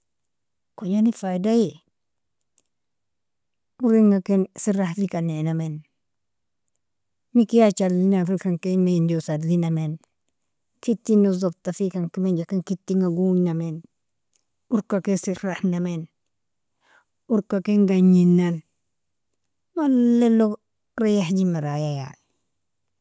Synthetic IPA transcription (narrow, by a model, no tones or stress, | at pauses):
koɲanifajdaje | uɾiŋakensiɾahlikanenamen | mikijat͡ʃallinafilkaŋkenaindiosadlinamen | kitːinuzob̚tafikaŋkimend͡ʒakeŋkitːiŋaɡuɲnamen | uɾkakesiɾahnamen | uɾkakeŋɡaɲinːan | walːelo | ɾajahd͡ʒimaɾajaja̰